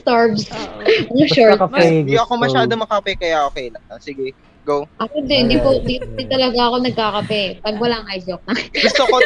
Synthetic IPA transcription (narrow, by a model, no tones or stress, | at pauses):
st̪aɹvs | ʃokɐmɛjoʔɐkomɐʃaːd̪omɐkɐɐpɛkɐjaʔokɛjlɐɐsɪɡɛ | ɡowʔɐkod̪ɪnd̪ipond̪iʊd̪ɪnt̪ɐlɐɡaɐko̞nɐɡ̚kaːkɐpɛpɐɡwɐlaŋʔajd͡ʒok̚nɐɡʊst̪oko